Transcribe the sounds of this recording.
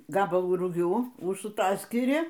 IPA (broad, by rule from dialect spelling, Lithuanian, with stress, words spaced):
ˈɡɑːbɐlˠuː rʊˈɡʲuː ʊʃsʊˈtɑːsʲkʲɪrʲɪ